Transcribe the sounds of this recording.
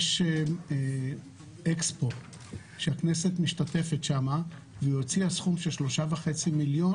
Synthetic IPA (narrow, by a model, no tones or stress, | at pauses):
ʃ | ekspo | ʃeakne̞se̞t̪miʃtate̞fetʃama | vejo̞t͡siasχumʃelʃlo̞ʃavaχe̞t͡similjo